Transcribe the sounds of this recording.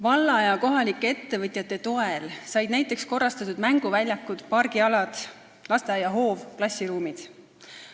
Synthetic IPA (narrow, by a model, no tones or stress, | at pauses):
vɑlːɑjɑko̞ɦɑlikːˑee̞t̪ːe̞vɤt̪ʲˑjɑt̪ːˑe̞t̪o̞elsɑjd̪̥næjt̪ːˑe̞ksko̞rːɑst̪ɑt̪ːˑud̪̥mæŋɡ̥uvælʲjɑkːˑud̪̥pɑrɡ̥iɑlɑd̪̥ | lɑst̪ejɑɦo̞ːvklɑsʲiɾuːmid̪̥